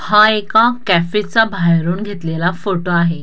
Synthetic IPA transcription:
haekakæfit͡sabʱajɾuːnɡʱet̪lelafoʈoaɦe

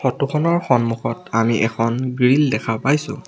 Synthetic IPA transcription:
xɔtukʰɔnɔɹxɔnmuxɔtamiʔɛkʰɔnɡɹildɛkʰapajsʊ̰̃

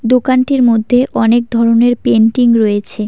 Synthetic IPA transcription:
d̪okanʈiɾmod̪ʱːeʔɔnek̚d̪ʱɔɾoneɾpeɳʈiŋɾoet͡ɕʰe

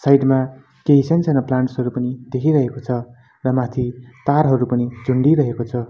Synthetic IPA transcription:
sajʈma | keɦisʌnt͡sʰʌnʌplaɳʈsɦʌɾupʌnid̪ekʰiɾʌɦekot͡sʰʌ | rʌmat̪ʰit̪arɦʌɾupʌnid͡zʱuɳɖiɾʌɦekot͡sʰʌ

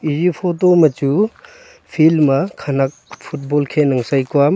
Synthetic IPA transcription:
izipʰotomɐt͡ʃu | pʰilmɐkʰɐnak̚pʰut̚bolkʰenɐŋsajkwam

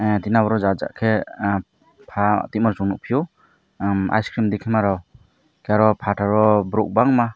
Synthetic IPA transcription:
t̪inabɔɾɔzaza̰ʔkʰe | pʰat̪imɔɾsuŋnuk̚pʰijɔ | ma̰jskɾimd̪ikʰimaɾaw | kaɾɔpʰatʰaɾɔbɾuk̚baŋma

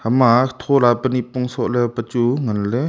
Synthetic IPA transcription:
hamat̪ʰolapəniʔpɔŋsɔʔlɛpət͡ʃuŋanlɛ

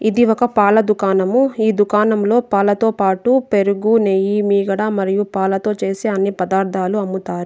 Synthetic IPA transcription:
id̪iɔkɐpaːlɐd̪ukaːnɐmuiːd̪ukaːnɐmlo̞ːpaːlɐt̪o̞ːpaːʈupe̞ɾuɡunejimiːɡɐɽamɐɾijupaːlɐt̪o̞ːt͡ʃe̞ːseɐnːipɐd̪aːɾd̪ʱaːluɐmːut̪aːɾu

